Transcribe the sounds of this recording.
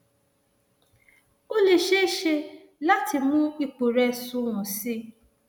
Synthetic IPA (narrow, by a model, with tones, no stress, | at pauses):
o˦le˨ʃe˦ʃe˦ | la˦tɪ˨mʊ˦i˦k͡pu˨ɾe˦sʊ˦ŋʊ˨sɪ˦